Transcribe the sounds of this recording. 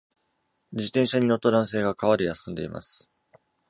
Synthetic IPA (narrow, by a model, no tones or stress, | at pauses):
d͡ʑit̪ẽɰ̃ɕaɲ̟ino̞t̪ːad̪ãɰ̃se̞ːɡakaβaɾɯjasɨ̃nd̪e̞̰ima̰sɨ̥